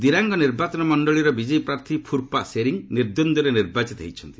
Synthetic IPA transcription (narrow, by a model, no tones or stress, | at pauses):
d̪iɾaŋɡɔniɾbat͡ʃɔnɔmɔɳɖɔɭiɾɔbid͡ʒɔjpɾaɾt̪ʰipʰuɾpaʔseɾiŋniɾd̪ond̪ɔɾeniɾbat͡ʃit̪ɦḛjt͡ʃʰɔnt̪i